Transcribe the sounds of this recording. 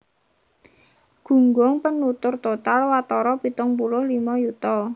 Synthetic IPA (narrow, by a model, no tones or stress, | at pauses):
ɡ̥ṳŋɡɔŋpənːut̪ʊrt̪ot̪alwat̪ɔɾɔpit̪ɔŋpulʊhlimɔjut̪ɔ